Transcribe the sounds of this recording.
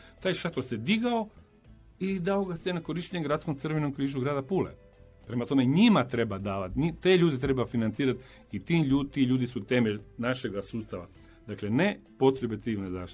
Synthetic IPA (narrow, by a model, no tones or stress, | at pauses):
t̪aːjʃat̪oɾsed̪iɡao̞ | id̪aoɡasenako̞ɾiʃt̪eɲeɡɾat̪sko̞mt̪sɨrʋeno̞mkɾiːʒuɡɾaːd̪apuːlḛ | pɾe̞mat̪o̞meɲimat̪ɾe̞bad̪aːʋat̪ɲit̪eʎuːd̪it̪ɾe̞bafinant̪siːɾat̪ | it̪iːmʎuːt̪iʎuːd̪isut̪e̞meʎnaʃeɡasuːst̪aʋa̰ | d̪akle̞ne̞po̞t̪ɾe̞be̞t̪siʋilneza̰ːʃi̥